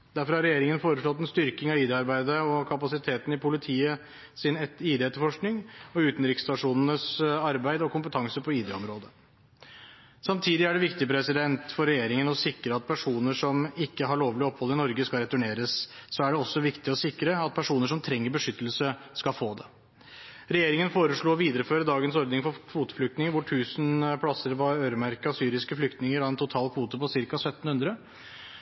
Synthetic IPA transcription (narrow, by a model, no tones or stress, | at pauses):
d̪æɾfɔɾhɑɾɛjeːɾɪŋənfoːɾəʂɭɔt̪̬ːɛnst̪ʏɾkɪŋɑʋiːd̪ɛɑɾbæɪd̪əɔkʰɑpɑsɪt̪ʰeːt̪n̩ɪpʰʊlɪt̪ʰiːə | sɪnɛiːd̪ɛɛt̪ːəɾfɔʂknɪŋɔʉːt̪n̩ɾɪkst̪ɑʂuːnənəsɑɾbæɪd̪ɔkʊmpət̪ʰɑŋsəpʰɔiːd̪ɛɔmɾoːd̪ə | sɑmt̪ʰiːd̪ɪæɖɛʋɪkt̪ɪpʰɾɛsɪd̪ɛnt̪fɔɾɛjeːɾɪŋənɔsɪkɾəɑt̪̚pʰæʂuːnəʂɔmɪkːəɦɑɭoːʋlɪɔphɔlːəɪnɔɾɡəskɑlɾɛt̪ʉɳeːɾəssɔæɖɛɔsːɔʋɪkt̪ɪɔsɪkːɾəɑt̪̚pʰæʂuːnəʂɔmt̪ʰɾɛŋːəɾbəʂʏt̪ːəlsə | skɑlfoːd̪ɛ | ɾɛjeːɾɪŋənfoːɾəʂɭuːɔʋiːd̪ɾəføːɾəd̪ɑːɡənsɔɾd̪nɪŋfɔkʰʋuːt̪ə̥flʏkt̪nɪŋəɾʋʊʈʰʉːsnpʰɽɑsəɾpɔøːɾəmæɾkəɑsyːɾɪskəflʏkt̪nɪŋəɾɑɛnt̪ʰʊt̪ʰɑːlkʰʋuːt̪əpɔsɪɾkɑsœt̪ːn̩hʉnd̪ɾə